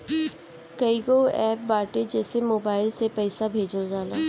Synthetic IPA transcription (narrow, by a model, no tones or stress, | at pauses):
kɐiɡoɛːp̚baːʈed͡ʒɛːsemoːbaːɪlsepɛːsabʱeːd͡ʒəld͡ʒaːlaː